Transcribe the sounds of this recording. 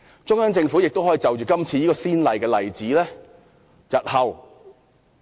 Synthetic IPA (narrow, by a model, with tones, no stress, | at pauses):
t͡sʊ˥ŋjaː˥ŋt͡sɪ˧ŋfu˨˥jɪ˨k̚t̪o˥wɦɔː˨˥i˧t͡sɐ˨wt͡ʃyː˨˩kɐ˥mt͡sʰiː˧jiː˥kɔː˧siː˥nlɐ˨jkɛː˧lɐ̰˨˩jt͡siː˨˥lɛː˥ | jɐ˨t̚hɐ˨w